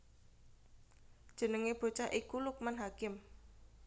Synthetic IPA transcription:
d̥ʒ̥ə̤nəŋeb̥o̤t͡ʃaʔikuluk̚manɦakɪm

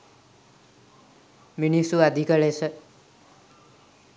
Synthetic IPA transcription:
minisuad̪ʱikʌlesʌ

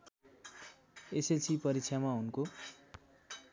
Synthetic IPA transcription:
eset͡sʰipʌɾik̚t͡sʰjamaɦunko

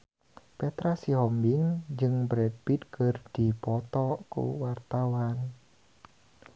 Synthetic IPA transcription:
pɛt̪ɾasiɦɔmbiŋd͡ʒɨŋbɾɛd̚bit̪̚kɨrd̥ipɔt̪ɔkṵwart̪awan

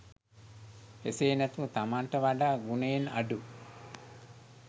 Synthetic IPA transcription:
eseːnæt̪uʋt̪amaɳʈəʋaɖaːɡunejena̰ɖu

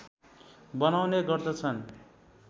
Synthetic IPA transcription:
bʌnawneɡʌrd̪ʌt͡sʰʌn

